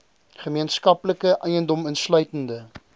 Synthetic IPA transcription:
χəmiənskɐpləkəʔɛjəndɔmənslœɥtəndə

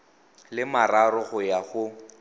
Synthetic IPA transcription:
lɪmaraɾʊɣʊjaɣʊ

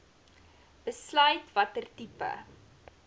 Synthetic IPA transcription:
b̥əslœɥtvɐtərtipə̰

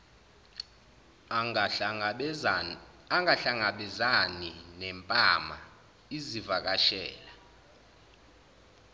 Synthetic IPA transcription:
aŋaɬaŋaɓɛzaninɛmpʼama̰ | izivak̬aʃɛ̰ːla

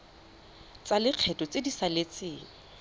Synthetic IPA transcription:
t͡salɪq͡χʰɛtʼɔt͡sedisalet͡sɪːŋ̩

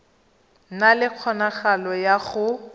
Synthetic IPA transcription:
nalɪq͡χʰɔnaχalɔjaχʊ

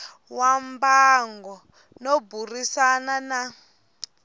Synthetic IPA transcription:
wambaŋɡɔ | noburisanana

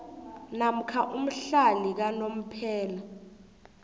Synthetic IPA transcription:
nam̩kʰaʔum̩ɬalik̬anom̩pʰɛːla

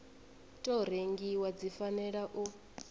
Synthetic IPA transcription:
tʼɔɾ̤eŋɡiwad͡zifanɛɺaʔu

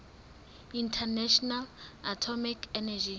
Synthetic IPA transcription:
intʰɛnɛʃɔnalatʰɔmikʰɛnad͡ʒi

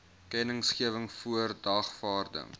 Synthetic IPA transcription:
kɛnəŋsχiəvəŋfuərdɐχfɑːrdə̰ŋ

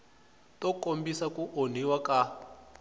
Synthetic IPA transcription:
tɔkombisakuʔon̤iwaka

